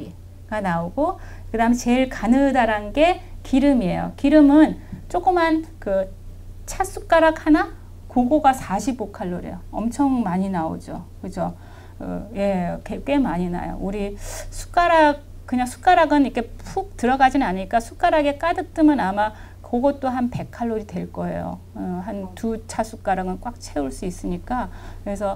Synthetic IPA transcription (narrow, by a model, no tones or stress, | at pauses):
i | ɡ̥anaoɡo | kɯdaɯmet͡ɕe̞ɭkanɯdaɾanɡe̞kiɾɯmie̞̰jo̰kiɾɯmɯnt͡ɕ͈ok͈ɯmankɯ | t͡ɕʰas͈ʰuk͈aɾakhana | koɡoɡasʰaɕʰibokʰaɭːoɾḭjoʌ̰mt͡ɕʰʌŋmaɲinao̰d͡ʑo̰kɯd͡ʑo | ɯ̰je̞kek͈we̞maɲina̰jo̰ʔuɾisʰu̥k͈aɾak̚ | kɯɲaŋsʰu̥k͈aɾaɡɯnikʰe̞pʰuk̚tɯɾʌɡad͡ʑinɯnaɲiɭk͈asʰuk͈aɾaɡe̞k͈adɯk̚t͈ɯmɯnama | kʌɡʌt̚t͈oɦanpe̞kʰaɭːoɾitwe̞ɭk͈ʌe̞̰jo̰ | ɦantut͡ɕʰas͈ʰuk͈aɾaɡɯnk͈wak̚t͡ɕʰe̞uɭs͈uis͈ɯɲik͈akɯɾe̞sʰʌ